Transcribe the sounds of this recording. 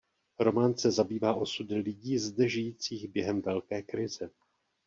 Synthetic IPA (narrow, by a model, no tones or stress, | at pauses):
ɾo̞maːnsɛzabiːvaːʔo̞sudɪlɪɟiːzdɛʒɪjiːt͡siːɣbjɛɦɛmvɛlkɛːkɾɪzɛ